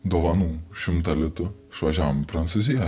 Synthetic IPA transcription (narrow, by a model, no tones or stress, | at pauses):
d̪ɔʋɐnuːʃɪmt̪ɐlʲɪt̪ʊ | ʃʋɐʒʲaːmpɾɐnt̪suzʲɪja